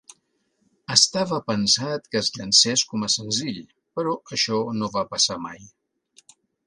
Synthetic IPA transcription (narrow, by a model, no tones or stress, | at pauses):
əst̪aβəpənsat̪kəzʎənsɛskɔməsənziʎ | pəɾɔəʃɔnoβapəsama̰j